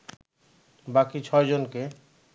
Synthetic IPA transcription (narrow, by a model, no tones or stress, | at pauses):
bakit͡ɕʰɔed͡ʑonke